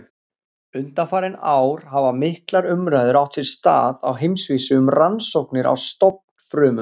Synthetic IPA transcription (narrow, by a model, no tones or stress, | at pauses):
ʏnt̪afaːɾɪnaːwɾ̥havamɪhklaɾʏmɾajðʏɾawht̪ʰɪl̥st̪a̰ːða̰wɦejmsviːsʏʏmransowknɪɾa̰wst̪owp̚n̥fɾœːmʏm